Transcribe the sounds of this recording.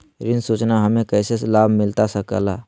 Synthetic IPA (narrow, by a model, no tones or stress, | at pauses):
ɾinsut͡ʃnaɦəmẽkəɪseslabʱmilt̪asəkə̰la